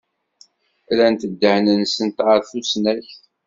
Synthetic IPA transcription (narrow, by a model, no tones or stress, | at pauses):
ɾænt̪əd̪ːəhnənsənt̪ʕəɾˤθusnæçθ